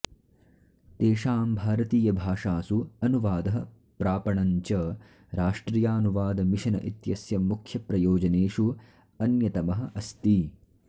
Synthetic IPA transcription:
t̪eːʃaːmbʱaːɾɐt̪iːjɐbʱaːʂaːsuɐnuʋaːd̪ɐɦɐ | pɾaːpɐɳɐɲt͡ʃɐ | ɾaːʂʈɾijaːnuʋaːd̪ɐmiʃɐnɐ̰ʔit̪jɐsjɐmukʰjɐpɾɐjoːd͡ʒɐneːʂu | ɐnjɐt̪ɐmɐɦɐ̆ʔɐst̪i

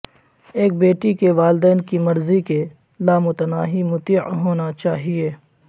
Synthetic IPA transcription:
eːk̚beːʈikeʋaːld̪ɛːnkimɐɾzike | laːmʊt̪ənaːɦimʊt̪iːʕɦoːnat͡ʃaːɦieː

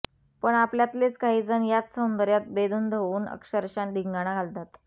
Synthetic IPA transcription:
pəɳapljat̪let͡skaɦiːd͡zənjat̪sənd̪əɾjat̪̚bed̪uːnd̪ʱəuːnə̰kɕəɾɕand̪ʱiŋɡaɽ̃aɡʱalt̪at̪

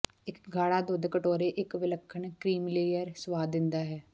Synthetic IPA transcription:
ɪkɡʱaːɽaːd̪ʊd̪kəʈoːɾeːʔɪkʋɪləkʰːəɳkɾiːmleːjəɾsəʋaːd̪ɪnd̪aːɦɛː

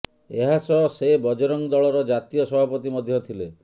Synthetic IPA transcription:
eɦasɔsebɔd͡ʒɔɾɔŋd̪ɔɭɔɾɔd͡ʒat̪ijɔsɔbʱapɔt̪imɔd̪ʱjɔt̪ʰile

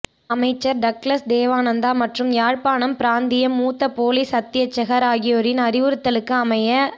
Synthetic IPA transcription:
ɐmɐɪt͡ʃːɐɾɖɐklɐsd̪eːʋaːnɐnd̪aːmɐʈrɯmjaːɻpaːnɐmpɪɾaːnd̪ɪjɐmːuːt̪ːɐpoːlisɐt̪ːɪjɐt͡ʃːɐɣɐɾaːɣɪjoːɾɪnɐɾɪʋɯɾɯt̪ːɐlɯkːɯɐmɐjɐ

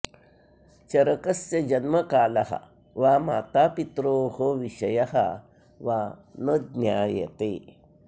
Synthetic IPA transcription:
t͡ɕɐɾəkɐsjɐd͡ʑɐnməkaːlɐɦa̰ | ʋama̰ːt̪apit̪ɾohoʋiɕɐjɐɦa̰ | ʋanəd̪nʲjajɛ̰t̪e

